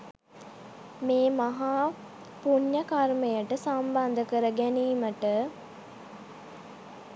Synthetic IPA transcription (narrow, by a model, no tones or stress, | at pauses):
meːmaɦaː | puɲːəkarməjəʈəsamband̪əkəɾəɡæniːməʈə